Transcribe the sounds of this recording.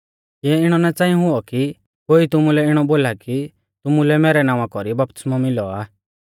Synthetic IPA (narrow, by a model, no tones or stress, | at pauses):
jɛɪɽ̃ɔnat͡sãːĩɦʊɔki | koːit̪ʊmulɛɪɽ̃ɔboːlaki | t̪ʊmulɛmɛːɾɛnãːʋãkɔɾibɐp̚t̪ɪ̥smɔmɪlɔaː